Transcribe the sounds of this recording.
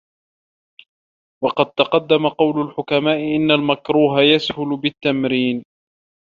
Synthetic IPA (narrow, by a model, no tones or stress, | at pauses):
wɑqɑd̪̚t̪ɑqɑd̪ːamaqɑwlʊlħʊkamaːʔɪʔɪnːalmakɾuːɦajashʊlʊbɪt̪ːamɾiːn